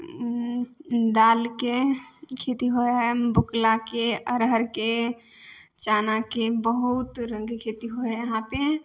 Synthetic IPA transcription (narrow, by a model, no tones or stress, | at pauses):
d̪alkekʰet̪iɦoebuklakeəɾɦəɾke | t͡ʃanakebəɦut̪ɾə̃ŋɡkʰet̪iɦoɛəɦãpe